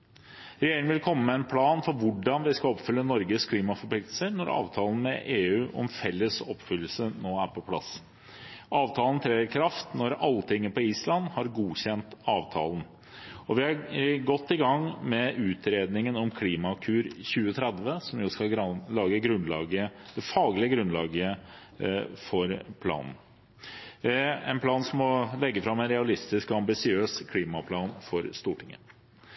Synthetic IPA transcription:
ɾɛjeːɾɪŋənʋɪlkʰɔmːəmɛɛnpʰlɑːnfɔɾʋʊɖɑnʋɪskɑɔpfʏlːənɔɾɡəskʰliːmɑfɔɾpʰlɪkt̪l̩səɾnɔɾɑ̰ːʋt̪ʰɑːlən̩mɛʔeːʉːʔɔ̰mfɛlːəsɔpːfʏlːəl̩sənoːæɾpʰɔpʰlɑ̰s | ɑːʋt̪ʰɑːln̩t̪ʰɾɛːəɾkʰɾɑft̪nɔɾɑlːət̪ʰɪŋːəpɔiːslɑnhɑɾɡuːçɛnt̪ɑːʋt̪ʰɑ̰ːln̩ | ɔʋɪhɑɾɡɔt̪ːɪɡɑŋmɛʔʉːt̪ɾeːd̪nɪŋənɔmkʰliːmɑkʰʉːɾçʉːət̪ʰɾɛd̪ʋəsɔmjʊskɑɡɾlɑːɡəɡɾʉnlɑ̰ːɡəəd̪̥ɛfɑːɡlɪəɡɾʉnlɑːɡəə | fɔɾpʰlɑ̰ːnn̩ | ɛ̰npʰlɑːnsɔmɔlɛɡːəfɾɑmɛnɾɛɑlɪst̪ɪskɔɑmbɪsɪøːskʰliːmɑpʰlɑːnfɔɾst̪uːʈʰɪŋːə̰

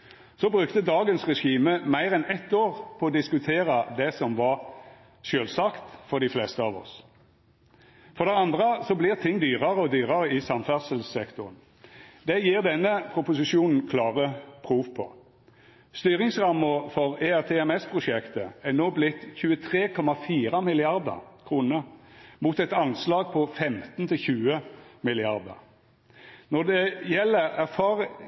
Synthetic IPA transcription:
sɔbʁʉkt̪əd̪ɑːɡənsʁɛʂiːməmæɪʁɛnɛt̪ːoːʁpʰɔɔd̪ɪskʉt̪ʰeːʁɑd̪ɛsɔmʋɑʁ | ʃøːlsɑkt̪fɔʁd̪ɪflɛst̪əɑːʋɔ̰s | fɔʁd̪ɛɑnd̪ʁəsɔblɪʁt̪ʰɪŋːd̪yːʁɑʁəɔd̪yːʁɑʁəɪsɑmfæʁsəlssɛkt̪ʊʁən | d̪ɛjiːʁd̪ɛnːəpʰʁʊpʊsɪʃuːnn̩kʰlɑːʁəpʰʁuːʋpʰɔ̰ | st̪yːʁɪŋsʁɑmːəfɔʁeæʁt̪ʰeɛmɛspʰʁʊʂɛkt̪əænoːblɪt̪çʉːət̪ʰʁeːkʰɔmɑfiːʁɑmɪlɪɑʁd̪ə̰ʁkʰʁuːnəʁmuːt̪ɛt̪ɑnslɑːɡ̚pʰɔfɛmt̪n̩t̪ʰɪlçʉːəmɪlɪɑʁd̪ə̰ʁ | nɔd̪ɛjɛlːəʁæʁfɑːʁ

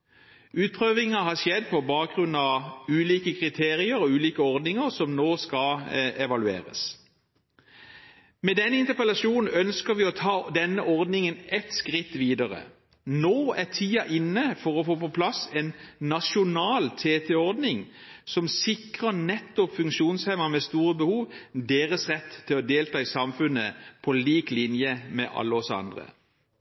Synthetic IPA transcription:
ʉːt̪̚pʰʁøːʋɪŋəɦɑʃjɛd̪ːpʰɔbɑːk̚ɡʁʉnɑʋʉːliːkəkʰʁɪt̪ʰeːʁɪəɾɔʉːliːkəɔʁd̪nɪŋəʁsɔmnoːskɑɛʋɑlʉḛːʁə̰s | mɛd̪ɛnːəɪnt̪əpɛlɑʃuːnn̩œnskəɾʋɪɔt̪ʰɑːd̪ɛnːəʔɔʁd̪nɪŋənʔɛt̪skʁɪt̪ːʋiːd̪əʁə̰ | noːæʁt̪ʰiːɑʔɪnːəfɔʁɔfoːpɔpʰlɑseːnːɑʃʊnɑːlt̪ʰeːt̪ʰɛɔʁd̪nɪŋsɔmsɪkʁənɛt̪ːɔpfʉŋkʃuːnshɛməmɛst̪uːʁəbəhuːʋd̪eːʁəsʁɛt̪ʰːɪlɔd̪eːlt̪ʰɑːisɑmfʉnəpʰɔliːklɪnjəmɛ̰ʔɑ̰lːəɔsɑ̰nd̪ʁə̰

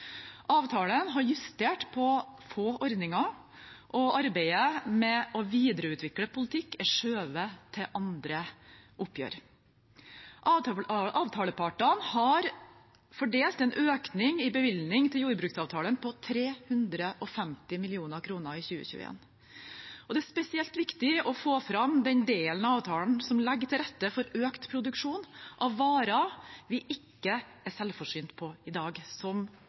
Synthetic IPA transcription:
ʔɑːʋt̪ʰɑːlənɦɑɾjʉst̪eːʈpʰɔfoːʔɔɾd̪nɪŋɑ | ʔɔʔɑɾbeɪəmɛʔɔʋiːd̪ɾəʉːt̪ʋɪkləpʰʊlɪt̪ʰɪkːɛʂøːʋət̪ʰɪʔɑnd̪ɾəʔʊpjø̰ːɾ | ʔʔɑːʋt̪ʰɑːləpʰɑʈənhɑɾ | fɔɖeːlt̪ɛnʔøːknɪŋɪbəʋɪlnɪŋt̪ʰɪljuːɾbɾʉːksɑːʋt̪ʰɑːlənpɔt̪ʰɾeːhʉnd̪ɾəʔɔfɛmt̪ɪmɪlɪuːnəɾkʰɾuːnəɾɪçʉːə̰çʉ̰ːḛːn | ʔɔd̪ɛæspɛsɪɛlt̪ʋɪkt̪ɪɔfoːfɾɑmd̪ɛnd̪eːlənɑɑːʋt̪ʰɑːln̩sɔmlɛɡːt̪ʰɪlɾɛt̪ːəfɔɾøːkt̪pʰɾʊd̪ʉkʂuːnʔɑʋːɑːɾɑʋɪʔɪkːəʔæsɛlfɔʂyːnt̪pʰɔɪd̪ɑːɡsɔm

